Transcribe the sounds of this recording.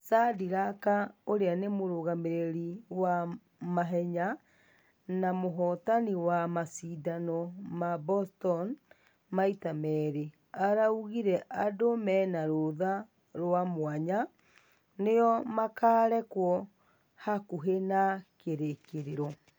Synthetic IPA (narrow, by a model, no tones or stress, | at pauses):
sadiɾakaoɾeanemoɾoɣameɾeɾiwa | maɦɛɲa | namoɦɔtaniwamasiːdanɔmabɔstɔn | maitamɛːɾe | aɾauɣiɾɛʔadomɛːnaɾoða | ɾwamwaɲa | nejɔmakaːɾɛkwɔ | hakuɦenakeɾekeɾeɾɔ